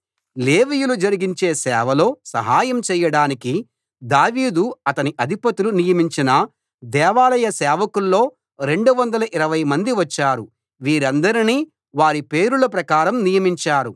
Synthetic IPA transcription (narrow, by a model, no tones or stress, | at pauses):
le̞ːʋijulud͡ʒɐɾiɡiɲt͡ʃe̞ːsɛːʋɐlo̞ːsɐ̰ɦaːjɐmt͡ʃɛːjɐɽaːniki | d̪aːʋiːd̪uɐt̪ɐniʔɐd̪ʱipɐt̪ulunijɐmiɲt͡ʃinɐ | d̪ɛːʋaːlɐjɐsɛːʋɐkulːo̞ː | ɾe̞ɳɖuʋɐnd̪ɐlɐʔiɾɐʋɐjmɐnd̪iʋɐt͡ʃːaːɾu | ʋiːɾɐnd̪ɐɾiniː | ʋaːɾipe̞ːɾulɐp̬ɾɐkaːɾɐmnijɐmiɲt͡ʃaːɾu